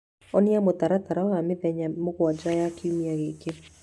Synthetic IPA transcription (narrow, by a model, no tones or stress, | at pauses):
ɔniamot̪aɾataɾawameðɛɲamoɣwad͡ʒajakiumiaɣeke